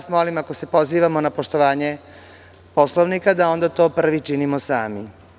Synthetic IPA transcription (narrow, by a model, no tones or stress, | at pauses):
smo̞limako̞se̞po̞ziːʋamo̞napo̞ʃt̪o̞ʋaːɲe̞ | po̞slˠoʋnikad̪ao̞nd̪at̪o̞ːpr̩ʋit͡ʃinimosaːmi